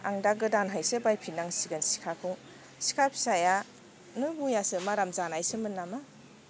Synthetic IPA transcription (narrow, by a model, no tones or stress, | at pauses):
aŋdaɡɯdanɦajsɯbajpʰinaŋsiɡɯnsi̥kʰakʰuŋ | si̥kʰapʰi̥saja | nɯbujasɯmaɾamzanajsɯmɯnːama